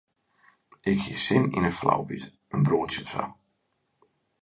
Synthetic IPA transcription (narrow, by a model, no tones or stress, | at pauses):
ɪkhḭsɪninəfla̰wbḭt | ənbroːətjəsa̰